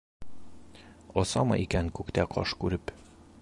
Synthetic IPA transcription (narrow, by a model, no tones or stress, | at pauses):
ɒsɒmɒ̰ʔikæŋkʉkt̪æqʰɒ̰ʃkʉɾɘp